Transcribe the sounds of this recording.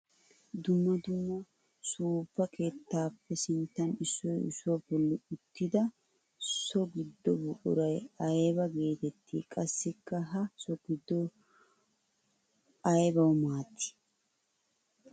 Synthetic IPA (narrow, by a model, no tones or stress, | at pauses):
d̪ʊmːɐd̪ʊmːɔ | suːb̥ːɐkʰe̞ːt̪ːaːpːɛsɪnt̪ːɐnɪsːɔjɪ̰sːwɔbɔlːɪʊt̪ːɪd̪ɐ | sɔɡɪd̪ːɔbʊʔʊ̰ɾɐjɐjbɐɡe̞ːt̪ɛt̪ːḭːkʼɐsːɪkːɐɦɐsɔɡɪd̪ːɔ | ɐjbɐwmaːt̪ːɪ̥